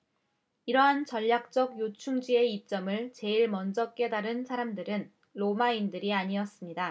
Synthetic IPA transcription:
iɾʌɦant͡ɕʌʎːak̚t͡ɕ͈ʌɡjot͡ɕʰuŋd͡ʑie̞ip̚t͡ɕ͈ʌmɯɭt͡ɕe̞iɭmʌnd͡ʑʌk͈e̞daɾɯnsʰaɾamdɯɾɯn | ɾomaindɯɾiaɲiʌs͈ɯmɲida

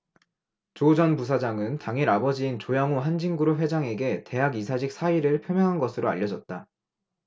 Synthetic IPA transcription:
t͡ɕod͡ʑʌnpus̬ʰad͡ʑaŋɯntaŋiɾabʌd͡ʑiint͡ɕojaŋoɦand͡ʑiŋɡuɾoɸwe̞d͡ʑaŋe̞ɡe̞te̞ɦaɡis̬ʰad͡ʑʰik̚s͈ʰaiɾɯɭpʰjomjʌŋɦanɡʌsʰɯɾoa̰ʎːʌd͡ʑʌt̚t͈a

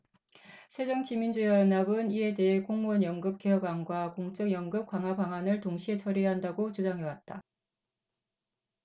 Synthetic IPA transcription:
sʰe̞d͡ʑʌŋt͡ɕimind͡ʑujʌnabɯniɦe̞de̞ɦekoŋmonjʌŋɡɯp̚k͈eɦʌɡwanɡwakoŋt͡ɕ͈ʌŋjʌŋɡɯp̚k͈waŋɦwabaŋɦwanɯɭtoŋɕʰie̞t͡ɕʰʌɾiɦandaɡot͡ɕud͡ʑaŋɦe̞wat̚t͈a

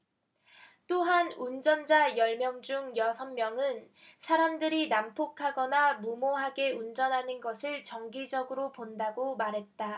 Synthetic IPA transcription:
t͈oɦanund͡ʑʌnd͡ʑajʌɭmjʌŋd͡ʑuŋjʌsʰʌnmjʌŋɯn | sʰaɾamdɯɾinampʰokʰaɡʌnamumoɦaɡe̞und͡ʑʌnɦanɯnɡʌsʰɯɭt͡ɕʌŋɡid͡ʑʌɡɯɾopondaɡomaɾɦe̞t̚t͈a

